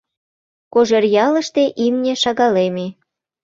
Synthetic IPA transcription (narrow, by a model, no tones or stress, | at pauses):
koʒerjɑlə̆ʃt̪eʔimnʲeʃɑɣɑleme